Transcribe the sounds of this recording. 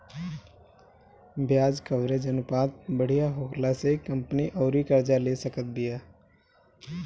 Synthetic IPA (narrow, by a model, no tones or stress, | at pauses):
bʱjaːd͡ʒkəʋɾed͡ʒɐnʊpaːt̪̚bəɽ̤ijaɦoːkʰlasekɐ̃mpniʔɔːɾikəɾd͡ʒaleːsəkət̪̚bɪjaː